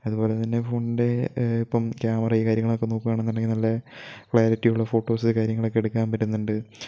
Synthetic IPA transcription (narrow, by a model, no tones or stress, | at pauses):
ɐðubo̞ːle̞t̪ɐnːe̞foːɳɖde̞ipːɐmkjaːmɐrɐiːkaːɾjɐŋːɐɭokːe̞noːkːuʋaːɳenːɐninɐlːɐkɭaːɾitːijuɭːɐfo̞ːʈːo̞ːsɨkaːɾjɐŋːɐɭo̞kːe̞ɽukːaːmpɐtːunːuɳɖɨ